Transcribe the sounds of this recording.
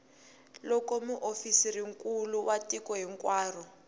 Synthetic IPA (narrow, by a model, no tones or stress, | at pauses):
lɔkɔmuʔofisiriŋkuluwatikɔɦiŋkwaːrɔ